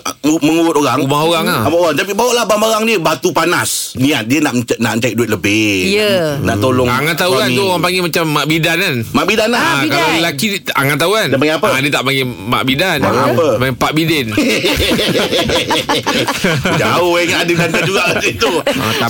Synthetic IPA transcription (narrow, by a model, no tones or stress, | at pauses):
uməŋuɾʊt̪oɾaŋumaɦoɣaŋlaamaʔoɣaŋt̪ap̬ibawaʔlahbamaɾaŋdiəbat̪upanasnĩat̪̚diənaʔmənaʔməɲt͡ʃak̚duɪt̪̚ləbɪənaʔt̪olʊŋaŋat̪ːauant̪uoɣaŋpaŋɡimat͡ʃamːaʔbidananmaʔbidanlakalaəlakia̰ŋat̪ːaukandanpaŋɡiapəadiət̪aʔpaŋi | ma̰ʔbidanaaapəpaŋepaʔbidɛn | d͡ʒaohaŋanadədanad͡ʒuɡaʔdit̪u